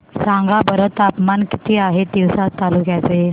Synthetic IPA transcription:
sãŋɡabəɾət̪apmanki̥t̪ʰiːaɦed̪iwsat̪ːaluːkjat͡se

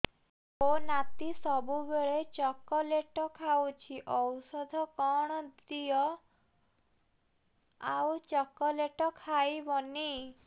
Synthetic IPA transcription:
onat̪isɔbubeɭet͡ʃɔkɔleʈɔkʰawt͡ʃʰiʔɔwsɔd̪ʱɔkɔɽ̃ɔd̪ijɔ | awt͡ʃɔkɔleʈɔkʰajbɔni

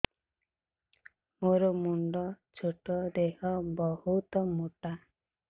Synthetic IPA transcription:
moɾomuɳɖɔ | t͡ʃʰoʈɔd̪eɦɔbɔhut̪ɔmoʈa

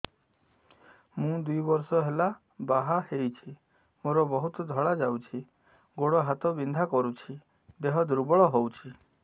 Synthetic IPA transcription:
mũd̪ujbɔɾsɔɦela | baɦaheit͡ʃʰi | moɾɔbɔɦut̪ɔd̪ʱɔɭad͡ʒawt͡ʃʰi | ɡoɽɔɦat̪ɔbind̪ʱakɔɾut͡ʃʰi | d̪eɦɔd̪ɾubɔɭɔɦowt͡ʃʰi

